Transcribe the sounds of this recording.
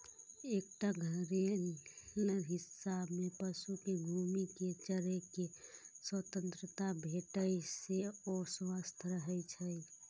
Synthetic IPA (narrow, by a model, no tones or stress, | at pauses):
ek̚ʈaɡʱəɾeɾəɾɦisːabmepəsukeɡʱumiket͡ʃəɾekeswət̪ənt̪ɾət̪abʱeʈəjseoswast̪ʰɾəɦɛjt͡ʃʰəj